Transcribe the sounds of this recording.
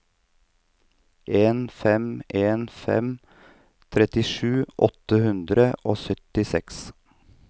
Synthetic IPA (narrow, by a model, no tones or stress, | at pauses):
ʔeːnfɛmeːnfɛ̰m | t̪ʰɾɛt̪ɪʃʉːʔɔt̪əhʉnd̪ɾəʔoːsœt̪ɪsɛks